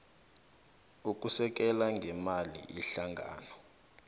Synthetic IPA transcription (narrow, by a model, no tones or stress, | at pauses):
uk̬ʼusɛk̬ɛlaŋɡʱɛmalḭʔiɬaŋɡʱa̰ːnɔ